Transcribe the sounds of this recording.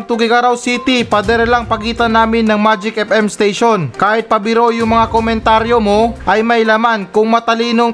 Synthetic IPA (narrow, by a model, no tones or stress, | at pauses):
ŋt̪uɡɪɡɐɾawsit̪ɪpɐd̪ɛɾlɐŋpɐɡiːt̪ɐnaːmɪnːɐŋmad͡ʒɪkʔɛpɛmst̪ejʃonkaːhɪt̪̚pɐbɪɾo̞jʊŋmɐŋakomɛnt̪aːɾjomo̞ʔɐjmɐjlamankʊŋmɐt̪ɐliːnoŋ